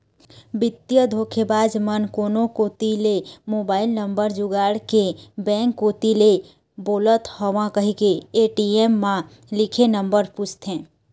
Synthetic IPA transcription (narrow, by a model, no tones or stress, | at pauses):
bɪt̪jəd̪ʱokʰebaːd͡ʒmənkoːnokot̪ilemoːbaːɪlnəmbəɾd͡ʒuɡaːɽkebɛ̃ŋkːoːt̪ile | boːlət̪hɔʋãkəɦikeeʈiemːã | likʰenəmbəɾput͡ʃt̪ʰɛ̃ː